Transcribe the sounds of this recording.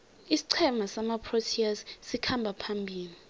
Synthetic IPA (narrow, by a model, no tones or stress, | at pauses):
isi̥ǀʰɛmasamapʰrotʰiassikʰambʱapʰambʱiːni